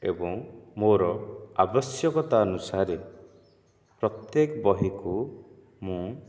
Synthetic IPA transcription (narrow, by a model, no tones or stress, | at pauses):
ḛbɔŋmoɾɔabɔsjɔkɔt̪aɔnusaɾe | pɾɔt̪jekɔbɔɦiku | mũ